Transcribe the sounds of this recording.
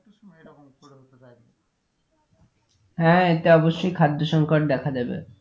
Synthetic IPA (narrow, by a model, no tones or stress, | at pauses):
a | ɦɛ̃et̪eɔboʃːojkʰad̪ʱːoʃɔŋkoʈ̚d̪ɛkʰad̪ebḛ